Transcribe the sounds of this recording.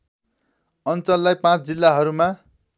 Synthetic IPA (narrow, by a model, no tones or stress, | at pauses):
ʌnt͡sʌlːajpãt͡sʰd͡zilːaɦʌɾuma